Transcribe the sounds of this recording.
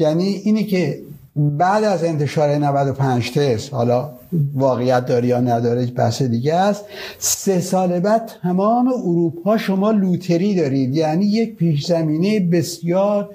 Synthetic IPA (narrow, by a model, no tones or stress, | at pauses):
jæniːʔiːnicʰe | bæd̪æze̞nt̪ʰe̞ʃɒːɾenævæd̪o̞pʰænd͡ʒt̪ʰeɾshɒ̰ːlɒː | vɒːɣejæt̪̚d̪ɒːɾijɒːnæd̪ɒːɾed͡ʒbæ̰hsed̪iɟest̪sesɒːlebæt̪ʰæmɒːme̞oɾuːpʰɒːʃomɒːluːt̪ʰe̞ɾiːd̪ɒːɾiːd̪jæːniːje̞c̚piːʃzæmiːnejebesjɒːɾ